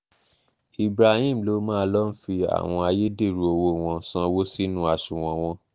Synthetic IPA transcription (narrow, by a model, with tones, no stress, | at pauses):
i˨bɾa˨hĩ˦˨m̩˨lo˨˦mãː˦˧˦lɔ˦n̩˦fi˧a̰˨w̃ɔ̃˧a˧je˦de˦˨ɾu˨˦o˧wo˧˨w̃ɔ̃˧˦sã˧wo˦si˦nũ˦a˧˨sũ˨w̃ɔ̃˧w̃ɔ̃˦